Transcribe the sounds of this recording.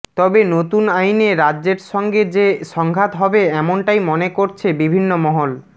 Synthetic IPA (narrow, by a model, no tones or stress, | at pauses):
t̪ɔbenot̪unajneɾadːd͡ʑeɾʃɔŋɡed͡ʑeʃɔŋɡʱat̪ɦɔbeɛmonʈajmonekoɾt͡ɕʰebibʱinːomɔɦol